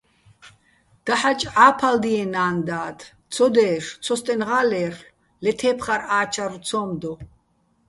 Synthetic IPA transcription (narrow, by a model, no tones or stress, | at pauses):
d̪̥aħat͡ʃʼʕaːpʰald̪iɛnaːnd̪aːt̪ʰ | t͡sʰɔd̪ɛːʂt͡sʰɔst̪ʼɛnʁaːlɛːr | lɛt̪ʰɛːpʰχaɾaːt͡ʃʰaɾut͡sʰɔːmd̪ɔ